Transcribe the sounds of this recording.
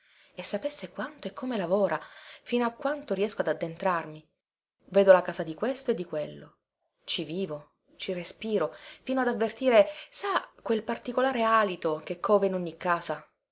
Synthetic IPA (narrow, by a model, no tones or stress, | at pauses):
esːapesːekwant̪oɛkʰːomelavoːɾʔafiːnoakːwant̪oɾiɛskoad̪ad̪ːent̪ɾarmi | vɛːd̪olakaːzad̪ikwest̪oed̪ːikwelːo̰ | t͡ʃiviːvo | t͡ʃirespiːɾofiːnoad̪avːert̪iːɾesakwelpart̪ikolaːɾeaːlit̪ok̟ekʰːɔːveinoɲːikːaːza